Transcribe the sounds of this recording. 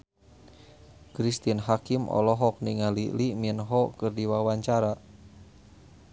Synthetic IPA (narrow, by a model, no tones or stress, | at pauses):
kɾist̪inɦakimɔ̰lɔɦɔk̚niŋaliliminɦɔkɨrdiwawaɲt͡ʃaɾa